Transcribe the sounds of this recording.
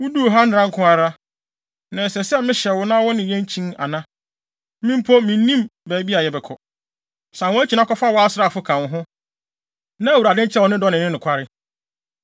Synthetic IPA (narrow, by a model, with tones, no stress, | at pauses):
wʊ˦du˦˨ɦa˦n̩ɪ˨ɾã˦ŋ̩˦kʰʊ̃˦a˨ɾa˦ | nã˨sɛ˨sɛ˦mɪ̃˦ɕɛ˨wʊ˨˦nã˦wɔ˦nɪ̃˨jɛ̃˦n˦t͡ɕʰĩ˦na̰˨nã˦ | mĩ˦m˦pʰo˦mĩ˨˦nĩ˦mbæː˨˦bi˦a˨jɛ˨bɛ˨kʰɔ˨ | sã˨wɔ̃˦æ˦t͡ɕʰi˨nã˦kɔ˦fa˦wɔ˦a˦sɪ˦ɾa˦˨fʊ˦kʰã˨n˨ɦʊ̃˦ | nã˦˨wu˨ɾa˨dɪ̃˦n˦t͡ɕʰɛ˦˨wɔ˨nɪ̃˦dɔ˦nɪ̃˨nɪ̃˦nʊ̃˨kʷʰa˦ɾɪ˦